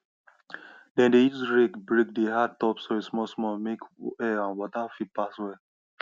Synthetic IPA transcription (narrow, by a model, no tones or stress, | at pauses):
dɛ̃ndeisɹekbɹek̚deɦatɔpsoesmɔsmɔmekɛãnwɔtafit̚paswɛ